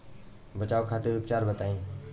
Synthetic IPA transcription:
bət͡ʃaːʋkʰaːt̪eɾʋɪpt͡ʃaːɾbət̪aːĩː

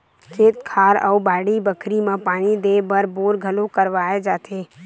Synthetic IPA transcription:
kʰeːt̪kʰaːɾə̰ubaːɽibəkʰɾimãpaːɽ̃id̪eːbəɾboːɾɡʱəlokəɾʋaːed͡ʒaːt̪ʰeː

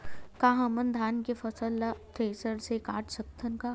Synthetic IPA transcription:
kaɦãmənd̪ʱaːnkefɐsəlːat̪ʰeːsəɾsekaːʈsək̚t̪ʰənka

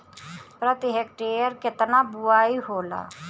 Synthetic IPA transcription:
pɾət̪iɦek̚ʈeːjəɾkɪt̪nabʊaːiɦoːla̰ː

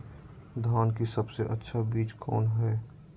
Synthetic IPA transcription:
d̪ʱaːnkisɐbseʔətːʃʰabiːt͡ʃkʰɔ̰ːnɦɛː

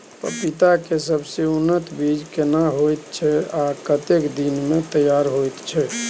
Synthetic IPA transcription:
pə̰pit̪akesəbseunːət̪bid͡ʒkenaɦojt̪t͡ʃʰɛakət̪ekd̪inmet̪əjaɾɦojt̪t͡ʃʰɛ

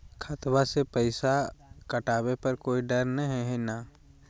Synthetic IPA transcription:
kʰat̪ʋasepəɪsakɐʈaːbepɐɾkoːiɖɐɾnəɦɛɦenaː

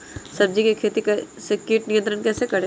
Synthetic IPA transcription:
sɐb̚d͡ʒikekʰeːt̪ikɐsekiːʈnijə̃nt̪ɾəɽ̃kɛːsekɐɾe

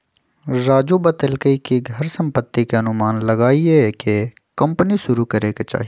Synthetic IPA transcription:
ɾaːd͡ʒubət̪əlkəikiɡʱɐɾsə̃mpət̪ːikeɐnʊmaːnlɐɡaːieke | kɐ̃mpniʃʊɾukɐɾeket͡ʃa̰ːɦi

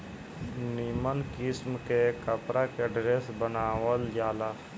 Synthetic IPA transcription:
niːmənkɪsmkekəpɾakeɖɾeːsbənaːwəld͡ʒaːlaː

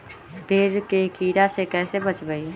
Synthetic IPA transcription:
bʱeːɾkekiːɾasekɛːsebət͡ʃbəi

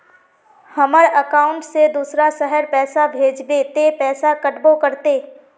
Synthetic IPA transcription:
hɐməɽəkaːʊ̃ɳʈsed̪uːsɾasəɦəɾpɛːsabʱeːd͡ʒb̪et̪epɛːsakɐʈbokɐɾt̪eː

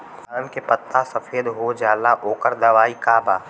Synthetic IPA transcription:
aːnkepət̪ːasɐfeːd̪ɦod͡ʒaːlaʔoːkəɾd̪ɐʋaːikaːbaː

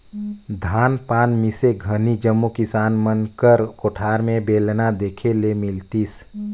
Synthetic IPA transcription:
d̪ʱaːnpanmiseɡʱənid͡ʒəmːukisanmənkəɾkoʈʰaɾmebelnad̪ekʰelemilt̪is

